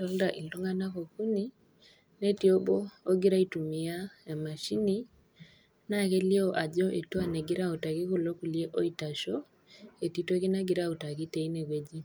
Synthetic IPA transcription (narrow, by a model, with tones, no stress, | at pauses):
ɔ˦lda˨ʔi˨lo˦ŋɡa˦na˦ko˨ku˦ni˦ | nɛ˦ti˨o˦bɔ˦o˦ɡi˦ɾa˦i˦tu˨mi˦a˦˨ma˨ʃi˦ni˦ | na˦kɛ˦li˦ɔ˦ʔa˨ʄɔ˦ʔe˨tu˦a˦˨nɛ˨ɡi˦ɾa˦u˨ta˨ki˦ko˨lo˦ku˨lie˦ʔo˦i˨ta˨ʃɔ˦ | e˨ti˦tɔ˦ki˦na˦ɡi˦ɾa˦u˨ta˨ki˦tɛ˦i˦nɛ˨kwe˦d͡ʒi˦